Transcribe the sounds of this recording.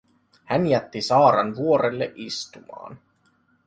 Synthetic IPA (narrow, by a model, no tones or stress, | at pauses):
hænjæt̪ːisɑːɾɑnʋuo̞ɾelːeʔist̪umɑ̰ːn